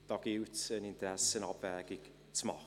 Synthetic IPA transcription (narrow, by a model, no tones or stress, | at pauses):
d̥ɔɡɪwtʰənɪndɾɛsənɔbɛːɡɪɡ̥ | tʰmɔ̰